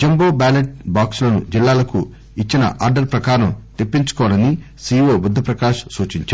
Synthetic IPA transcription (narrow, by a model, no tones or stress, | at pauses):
d͡ʒemboːbaːleʈbaːksulɐnud͡ʒilːaːlɐkṵ | it͡ʃːinɐ̰ʔa̰ːɾɖɐɾpɾɐkaːɾɐmt̪ipːiɲt͡ʃu̥kɔːʋlɐni | siːʋoːbud̪ʱːɐpɾɐkaːʃsuːt͡ʃiɲt͡ʃː